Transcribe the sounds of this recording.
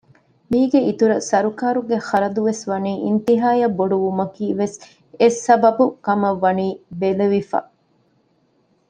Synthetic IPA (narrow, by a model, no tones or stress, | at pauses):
miːɡeit̪uɾɐsɐɾukaːɾuɡeχɐɾɐd̪uʋesʋɐniːʔint̪iɦaːjɐbːoɖuʋumɐkiːʋes | esɐbɐbukɐmɐʋːɐniːbeleʋifa̰ː